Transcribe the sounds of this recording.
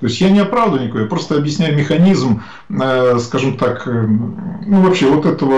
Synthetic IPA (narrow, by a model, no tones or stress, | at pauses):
t̪o̞ɪsʲjanʲɪɐpɾavd̪ənʲɪkojapɾo̞st̪əɐbjɪsʲnʲæjʊmʲɪxɐnʲizm | əskaʐɨmt̪akənuvɐpɕːevot̪ɛt̪əvə